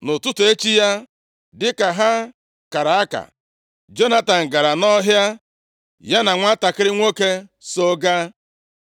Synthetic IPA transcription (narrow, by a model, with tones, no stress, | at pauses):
nʊ˨tʊ˦tʊ˨e˦t͡ʃi˦ja˦ | dɪ˦ka˨ɦa˦ | ka˨ɾa˨a˦ka̰˨ | d͡ʒo˦na˦ta˨n̩˨ɡa˨ɾa˨nɔ˦ɦja˦ | ja˦na˨ŋʷa˦ta˨kɪ˦ɾɪ˦ŋʷo˦ke˦so˦ɡa˦